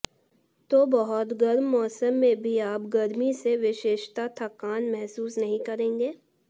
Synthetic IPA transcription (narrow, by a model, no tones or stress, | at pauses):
t̪obɐɦʊt̪ɡɐɾmːɔːsəmːẽbʱiaːpɡɐɾmiseʋɪʃeːʃt̪at̪ʰɐkaːnmɛɦsuːsnɐɦĩkɐɾẽːŋɡeː